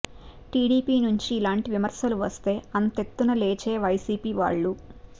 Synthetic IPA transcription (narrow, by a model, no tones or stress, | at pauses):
ʈiːɽiːpiːnuɲt͡ʃiːlaːɳʈiʋimɐɾsɐluʋɐst̪e̞ːɐnt̪e̞t̪ːunɐleːt͡ʃe̞ːʋɐjsiːpiːʋa̰ːɭːu